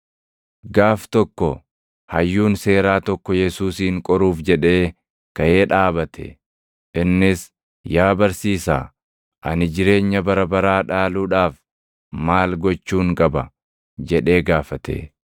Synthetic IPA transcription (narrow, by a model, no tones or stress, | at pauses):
ɡaːft̪ɔkːɔ | hɐjːuːnse̞ːɾaːt̪ɔkːɔjɛsuːsiːŋkʼɔɾuːfd͡ʒɛᶑe̞ː | kɐje̞ːᶑaːbɐt̪ʰɛ̰ | ʔɪnːɪs | jaːbɐɾsiːsa̰ː | ʔɐnɪd͡ʒɪɾe̞ːɲːɐbɐɾɐbɐɾaːᶑaːluːᶑaːf | maːlɡɔt͡ʃːuːŋkʼɐbɐ̰ | d͡ʒɛᶑe̞ːɡaːfɐt̪ḛː